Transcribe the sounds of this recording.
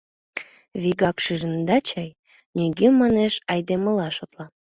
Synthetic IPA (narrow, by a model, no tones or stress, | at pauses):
βiɣɑkʃiʒənd̪ɑt͡ɕɑj | nʲiɡemːɑneʃɑjd̪eməlɑʃot̪lɑ